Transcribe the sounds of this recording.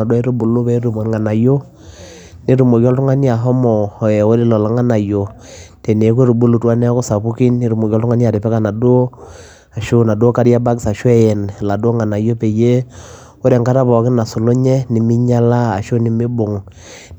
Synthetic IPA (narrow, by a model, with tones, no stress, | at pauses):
a˨de˦ɾu˦bu˨lo˦pɛ˦ɾu˨mo˨ŋa˨na˨jo˦ | ne˦ɾu˨mo˨kɔ˦ltu˦ŋa˦ni˦a˨ɦɔ˦mɔ˨ɔ˨jɛ˨o˦ɾe˦lɔ˨la˨ŋa˦na˨jo˨ | te˨ne˨˦ku˦ɾu˨bu˦lu˨twa˦nɛ˦ko˦sa˨pu˦ki˦nːe˦ɾu˨mo˨kɔ˦ltu˦ŋa˦nja˨ɾe˨pɛ˦ka˦˨na˨do˦ | a˨ʃo˦na˨do˦ka˦ɾja˦ba˦ksa˨ʃwɛ˦jɛ˨n˨la˨do˦ŋa˨na˨jo˦pe˨je˦ | o˦ɾe˨ŋka˦ɾa˦bɔ˨kɪ˦na˨su˨lo˦ɲɛ˦ni˨mi˦ɲa˦la˦a˨ʃo˦ni˦me˦bo˨ŋ